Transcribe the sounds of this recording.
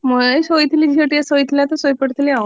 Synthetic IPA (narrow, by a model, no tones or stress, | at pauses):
məsojt̪lid͡ʑiəʈiəsojt̪ljat̪əsojpəɽt̪lia